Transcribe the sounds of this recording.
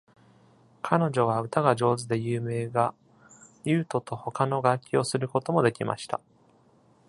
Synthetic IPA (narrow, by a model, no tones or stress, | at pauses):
kʰano̞ʑo̞β̞aɯ̟t̪aɡaʑo̞ːzɨd̪e̞jɯːme̞ːɡa | jʲɯ̟ːt̪o̞t̪o̞ho̞kano̞ɡakʲːio̞sɨɾɯ̟ko̞t̪o̞mo̞d̪e̞kʲimʔa̰ɕi̥t̪a̰